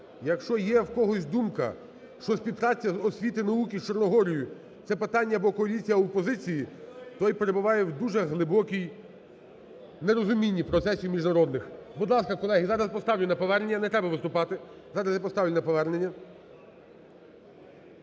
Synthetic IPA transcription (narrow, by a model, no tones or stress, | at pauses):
jɐkʃt͡ʃɔjɛwkɔɦɔsʲd̪umkɐ̰ | ʃt͡ʃɔsʲpʲiwpɾɑt͡sʲːɐzɔsʲʋʲit̪ɪnɐukʲit͡ʃɔrnɔɦɔɾʲijʊ | t̪sɛpɪt̪ɑnʲːɐbɔkɔɐlʲit͡sʲijɐɔpɔzɪt͡sʲijit̪ɔjpe̞ɾebʊʋɑjɛwd̪uʒɛɦlˠɪbɔkʲij | neɾɔzʊmʲinʲːipɾɔt̪sɛsʲimʲiʒnɐɾɔd̪nɪxbud̪lˠɑskɐkɔlˠɛɦizɑɾɐspɔst̪ɑwlʲʊnɐpɔʋɛrnenʲːɐnɛt̪ɾɛbɐʋɪst̪ʊpɑt̪ɪ | zɑɾɐsjapɔst̪ɑwʲjʲlʲnɐpɔʋɛrnenʲːɐ